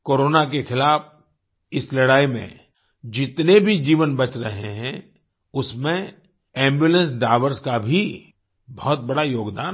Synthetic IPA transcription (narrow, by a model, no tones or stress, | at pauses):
koːɾoːnak̬exɪlaːf | ɪslɐɽaːimḛ̃ | d͡ʒɪt̪nebʱid͡ʒiːʋənbɐt͡ʃɾɐɦeɦɛ̃ | ʊsmẽ | ɛ̃ːmbjuːlə̃nsɖaːʋəɾskabʱi | bɔɦt̪̚bɐɽajoːɡd̪aːn